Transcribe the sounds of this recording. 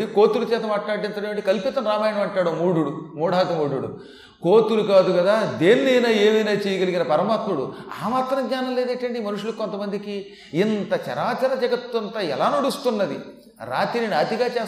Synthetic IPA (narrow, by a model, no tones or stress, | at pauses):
ikoːt̪uɽut͡ʃɛːt̪ɐmaːʈlaːɽɖent̪ɐɽiʋɐʈikɐlpit̪ɐmɾaːmaːjɐɳɐmɐɳʈaːɽɐmːuːɽuɽumuːɽaːk̪ɐmuːɽuɽṵ | koːt̪uɾukaːd̪uɡɐd̪aːd̪eːnːijnaːeːmɐjnaːt͡ʃeːjɐɡɐliɡinɐpɐɾɐmaːt̪muɽua̰ːmaːt̪ɾɐmɡ̪ɲaːnɐmleːd̪eʈɐɳɖimɐnuʂulukont̪ɐmɐnd̪ikiː | nt̪ɐt͡ʃɐ̰ɾaːt͡ʃɐɾɐd͡ʒɐɡɐt̪ːunt̪ɐɛ̰laːnɐɽust̪unːɐd̪ḭ | ɾa̰ːt̪ininaːt̪iɡaːt͡ʃɛː